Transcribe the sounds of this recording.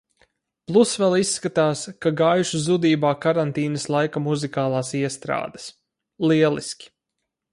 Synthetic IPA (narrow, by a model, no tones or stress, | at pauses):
plˠusvɛlˠisːkat̪aːskaɡaːjuʃuzud̪iːbaːkaɾant̪iːnɐslˠajkamuzikaːlˠɑːsiɛst̪ɾa̰ːd̪ɐ̥s | lˠiɛlˠiskʲi̥